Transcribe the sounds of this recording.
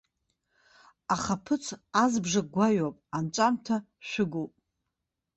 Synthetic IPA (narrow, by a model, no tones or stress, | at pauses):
aχapʰɨt͡sʰazbʐaɡʷaɥapʼant͡ʃʷʼamtʰa | ʃʷᶣʊɡopʼ